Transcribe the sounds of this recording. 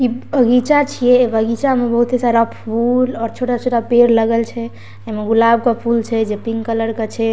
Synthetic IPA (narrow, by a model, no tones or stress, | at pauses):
kibʱəɡit͡ʃat͡ʃʰijɛbʱəɡit͡ʃamebəɦut̪esaɾapʰulɔɾt͡ʃʰoʈat͡ʃʰoʈapeɾləɡəlt͡ʃʰɛ | emeɡulabkɔpʰult͡ʃʰɛd͡ʒepiŋɡkələɾket͡ʃʰɛ